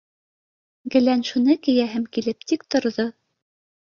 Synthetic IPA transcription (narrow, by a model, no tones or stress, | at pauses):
ɡɘ̆lænʃunɤkɘ̆jæɦɘmkilɘp̚t̪ikt̪ŏɾðo